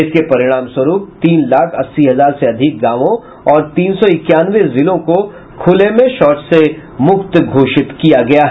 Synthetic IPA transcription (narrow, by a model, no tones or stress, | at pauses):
ɪskepɐɾɪɽ̃aːmswɐɾuːp̚t̪iːnlaːkʰɐsːiɦɐzaːɾseɐd̪ʱɪk̚ɡãːʋõ | ɔːɾt̪iːnsɔɪkjaːnʋezɪlõko | kʰʊlemẽʃɔːʈsemʊkt̪ɡʱoːʃɪt̪kijaɡɐjaɦɛ